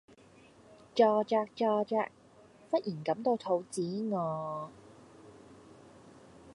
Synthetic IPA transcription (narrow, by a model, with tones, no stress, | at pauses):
t͡ʃɔː˧t͡ʃaː˧k̚t͡ʃɔː˧t͡ʃa̰ː˧k̚ | fɐ˥t̚ʔiː˨˩nkɐ˨˥mt̪o˧wt̪ʰo˨˥wt͡siː˨˥ŋɔː˨˧